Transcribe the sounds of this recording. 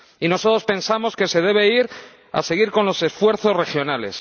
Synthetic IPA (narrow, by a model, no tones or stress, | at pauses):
ino̞sot̪ɾo̞spẽ̞nsamo̞ske̞se̞ðe̞β̞e̞iɾ | a̰se̞ɣ̞iɾko̞nlo̞se̞sfwe̞ɾθo̞zre̞xjo̞nale̞̰s